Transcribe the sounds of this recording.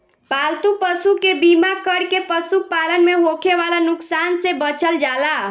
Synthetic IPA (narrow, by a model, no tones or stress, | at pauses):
palt̪upəsukebimakəɽkepəsupalənmeɦokʰeʋalanʊksansebət͡ʃəld͡ʒala